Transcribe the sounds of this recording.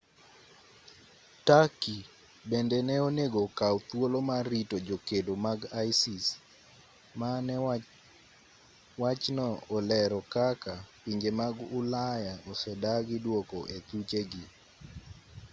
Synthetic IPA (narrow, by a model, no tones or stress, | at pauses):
taki | bendɛnɛoneɡokawt̪wolomaɾitod͡ʒokedomaɡajsis | manɛ | wat͡ʃnɔɔlɛɾɔkakapiɲd͡ʒemaɡʊlajaɔsɛdaɡɪdwokɔʔet̪ut͡ʃeɡɪ